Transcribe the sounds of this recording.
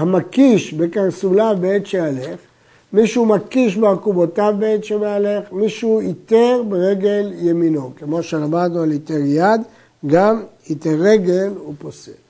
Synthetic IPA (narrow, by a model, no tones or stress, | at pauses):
hamakiʃbe̞kaʁsulabeet̪ʃealeχ | miʃumakiʃbeakubotavbeet̪ʃemeale̞χmiʃuit̪eʁbeʁeɡe̞ljemino̞kemo̞ʃelamad̪nualit̪eʁjad̪ | ɡamit̪eʁe̞ɡe̞lupose